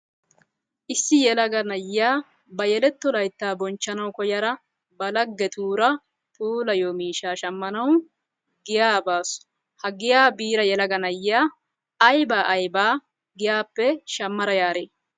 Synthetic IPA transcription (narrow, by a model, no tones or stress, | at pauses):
ʔɪsːɪjɛlɐɡɐnɐjːaː | bɐjɛlɛt̪ːɔlɐjt̪ːaːbɔnt͡ʃːɐnɐwkɔjɐɾɐ | bɐlɐɡːɛt̪ʰuːɾɐ | t̪ʰuːlɐjoːmiːʃaːʃɐmːɐnɐw | ɡɪjaːbaːsʊ̥ | hɐɡɪjaːbiːɾɐjɛlɐɡɐnɐjːaː | ɐjbaːʔɐjbaː | ɡɪjaːpːɛʃɐmːɐɾɐjaːɾeː